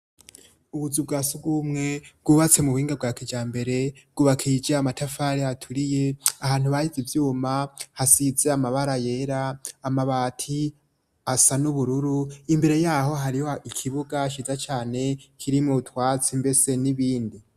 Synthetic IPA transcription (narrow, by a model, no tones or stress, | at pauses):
uβuzub̚ɡaːsuɡuːmŋe̞bɡ̥uβat͡se̞muβuhiːŋɡab̚ɡaːkid͡ʒaːmbe̞ɾe̞bɡ̥uβakʰid͡ʒaamatʰafaɾiatʰuɾije̞ahaːn̥huβahizivjuːmahasize̞amaβaɾaje̞ɾaːmaβaːtʰi | asanuβuɾuɾuimbe̞ɾe̞jaːho̞ɦaɾihoikʰiβuɡaʃizat͡ʃaːne̞kʰiɾimutʰwaːt͡simbe̞se̞niβiːndi